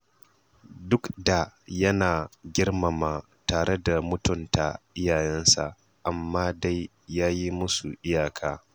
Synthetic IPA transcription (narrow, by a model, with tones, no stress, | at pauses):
dʊ˦kda˨jɐ˦naː˨ɡʲɪ˦rma˨maː˨ | taː˨ɾe˦da˨mʊ˦tʊ˦˨nta̰˨ʔɪ˦jaː˨jɛ˦nsa̰˨ʔ | ʔa˨mːaː˦da˦jː | aː˦ji˦mʊ˦su˨ʔɪ˦jaː˨kʰaː˦